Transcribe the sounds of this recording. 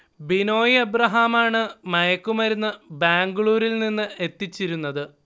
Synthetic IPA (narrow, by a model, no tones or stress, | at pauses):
bino̞ːjɐbɾɐɦaːmaːɳɨmɐjɐkːumɐɾunːɨbaːŋɡuɭuːɾilninːɨe̞t̪ːit͡ɕːiɾunːɐðɨ